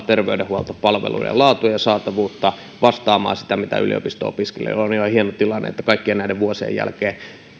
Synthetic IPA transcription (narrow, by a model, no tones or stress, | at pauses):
t̪erʋeydehhuɑlt̪ɑppɑlʋḛlṵḭɑ̰jɑ̰lɑːt̪ujɑjɑsɑːt̪ɑʋuːt̪ːɑ | ʋɑst̪ɑːmɑ̰ːsi̥t̪æmit̪æ̰ʔy̰lḭo̰pist̪o̰ːo̰piskelḛːonihɑhienot̪ilɑnːḛet̪ːækɑikːienæideʋʋuosiḛḛjjæ̰lkeː